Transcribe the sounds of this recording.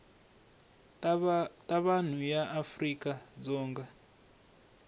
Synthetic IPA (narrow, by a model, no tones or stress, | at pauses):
tʼaβan̤ujaʔafrikʼad͡zɔːŋɡa